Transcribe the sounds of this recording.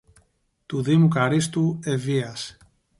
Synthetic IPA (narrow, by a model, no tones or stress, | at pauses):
t̪uðimukaɾist̪ueviɐs